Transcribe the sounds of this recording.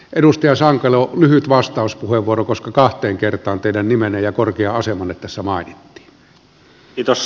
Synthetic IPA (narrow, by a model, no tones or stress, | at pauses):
ʔeɾust̪ɑjɑsɑŋkˑɑleolyhyt̪ʋɑst̪ɑˑuspuheʋʋuorokoskɑkɑht̪ˑeːŋkert̪ˑɑːnt̪eˑiɾænnimenejjɑkorkeɑɑsemɑnːet̪t̪æsːæmɑˑenit̪ːi̥ːn | iːt̪os